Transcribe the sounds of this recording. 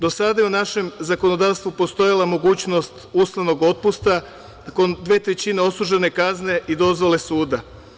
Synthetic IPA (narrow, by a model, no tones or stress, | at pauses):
d̪o̞sad̪ajeunaʃe̞mzako̞no̞d̪aːʋst̪ʋupo̞st̪o̞jalˠamo̞ɡuːt͡ɕno̞st̪uslaʋno̞ɡo̞t̪̚pust̪a | kond̪ʋe̞ːt̪ɾet͡ɕine̞o̞suʒene̞kazne̞ʔid̪o̞zʋo̞le̞suːd̪a